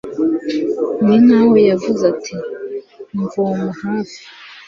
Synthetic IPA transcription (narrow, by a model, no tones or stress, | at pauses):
ninawejavuzatʰi | ɱvomahafi̥